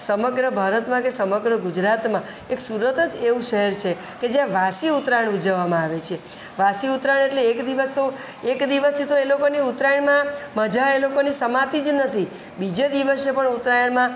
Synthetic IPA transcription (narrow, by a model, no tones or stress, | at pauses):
səməɡɾəbʱaɾət̪mãkesəməɡɾəɡud͡ʒɾat̪mã | eksuɾət̪əd͡ʒeʋũʃəɦɛɾt͡ʃʰe | ked͡ʒjãʋasiut̪ɾajɳud͡ʒəʋamãaʋet͡ʃʰe | ʋasiut̪ɾajɳ̃eʈleːkd̪iʋəst̪o | ekd̪iʋəst̪ʰit̪oelokoniut̪ɾajəɳmãməd͡ʒaelokonisəmat̪id͡ʒnət̪ʰi | bid͡ʒed̪iʋəsepəɳut̪ɾajəɳmã